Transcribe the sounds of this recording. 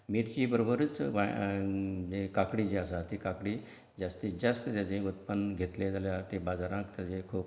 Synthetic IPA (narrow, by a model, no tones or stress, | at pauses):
miɾt͡ɕiːbəɾobəɾət͡sʋa | d͡ʑekakɽiːd͡ʑeasat̪ikakɽi | d͡zast̪id͡zəst̪ət̪jat͡seut̪pənɡʱet̪led͡zaljat̪ebad͡zaɾãkt̪jat͡sekʰuːp